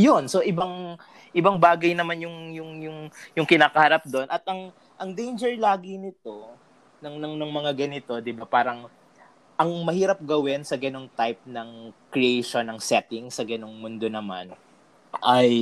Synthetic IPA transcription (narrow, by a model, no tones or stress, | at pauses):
jonso̞ʔɪbaŋ | ʔɪbaŋbaːɡɐjnɐmanjʊŋjʊŋjʊŋjʊŋkɪnaːkɐhɐɾap̚d̪o̞nʔɐt̪̚ʔɐŋ | ʔɐŋd̪ejnd͡ʒɛɹlaːɡɪnɪt̪o̞ | nɐŋnɐŋnɐŋmɐŋaɡɐnɪt̪o̞d̪ɪbapaːɾɐŋ | ʔɐŋmɐhiːɾɐp̚ɡɐwɛnsɐɡɐno̞ŋt̪ajp̚nɐŋkɾɪʔejʃo̞nːɐŋsɛt̪ɪŋsɐɡɐno̞ŋmʊnd̪o̞nɐma̰n | ʔɐj